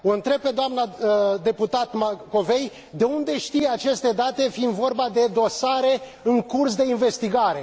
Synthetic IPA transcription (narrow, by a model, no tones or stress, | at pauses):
o̞ɨnt̪ɾe̞b̚pe̞d̪oamnəd̪e̞put̪at̪mako̞ve̞j | d̪e̞und̪e̞ʃt̪ijat͡ʃe̞st̪e̞d̪at̪e̞find̪vo̞rbad̪e̞d̪o̞saɾe̞ | ɨŋkursd̪e̞inve̞st̪iɡaɾe̞